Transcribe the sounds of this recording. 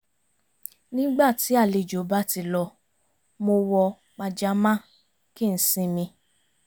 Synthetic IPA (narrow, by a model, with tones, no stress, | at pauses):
nĩ˦ɡ͡ba˦˨ti˨˦a˦˨le˧˨d͡ʒo˨˦ba˦ti˧lɔ˧ | mo˧wɔ˧ | k͡pa˧d͡ʒa˦mã˦ | ki˦˨n̩˨˦sĩ˧mĩ˧